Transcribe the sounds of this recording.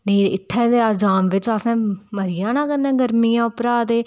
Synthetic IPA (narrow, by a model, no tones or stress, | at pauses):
niːɪt̪ʰːɛːd̪eːad͡ʒaːmʋɪt͡ʃasãːməɾɪjãːnãːkənɛ̃ːɡəɾmiːjãːʊpɾaːd̪eː